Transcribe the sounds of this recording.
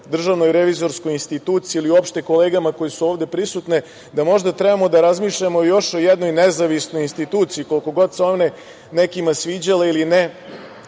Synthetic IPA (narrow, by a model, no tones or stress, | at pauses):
d̪r̩ʒaʋno̞jɾeʋizo̞ɾskojinst̪it̪uːt̪siːliuo̞pʃt̪e̞ko̞leːɡamako̞jesuoʋd̪e̞pɾisut̪ne̞ | d̪amo̞ʒd̪at̪ɾɛbamo̞d̪aɾazmiːʃʎamoojo̞ʃojed̪no̞jnezaʋisno̞jinst̪it̪uːt̪sijiko̞lko̞ɡo̞d̪seo̞ʋne | nekimasʋiːd͡ʑaleiline